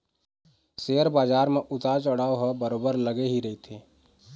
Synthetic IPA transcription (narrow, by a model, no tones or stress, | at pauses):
seəɾbaːd͡ʒaːɾmẽʔʊt̪at͡ʃəɽaːoɦəbəɾoːbəɾləɡeɦiɾɐit̪ʰeː